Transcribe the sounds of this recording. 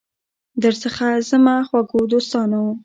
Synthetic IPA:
d̪əɾsəxazəmaxwaɡod̪ost̪ɑnawum

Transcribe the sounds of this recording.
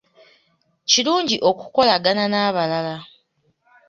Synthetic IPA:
ciluːɲɟiʔo̞ku̥ko̞laɡananaːβalala

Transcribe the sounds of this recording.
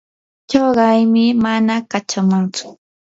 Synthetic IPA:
t͡ʃoɢɑjmɪmanakat͡ʃamʊŋt͡sʊ̥

